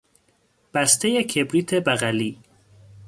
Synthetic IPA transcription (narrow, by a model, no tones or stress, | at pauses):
b̥æst̪ʰejekʰebɾiːt̪ʰebæɣæliː